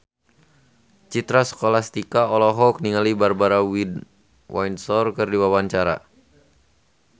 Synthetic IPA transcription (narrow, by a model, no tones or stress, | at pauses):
t͡ʃit̪ɾasə̥kolast̪ikaɔlɔɦɔk̚niŋalibarbaɾawid | wʔajnsɔrkɨrdiwawaɲt͡ʃaɾa̰